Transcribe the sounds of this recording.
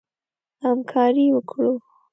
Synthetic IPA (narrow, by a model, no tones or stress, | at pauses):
hamkʰɑɾiwəkʰɽu